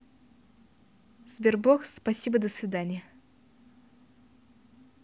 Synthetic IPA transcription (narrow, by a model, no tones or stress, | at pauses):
z̥bʲerbokspɐsʲibəd̪əsvʲɪd̪anʲɪjə